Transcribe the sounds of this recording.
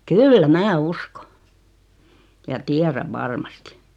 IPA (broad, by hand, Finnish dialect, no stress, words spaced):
kylːæ mæ usko jɑ tiæræʋ̆ ʋɑrmɑsti̥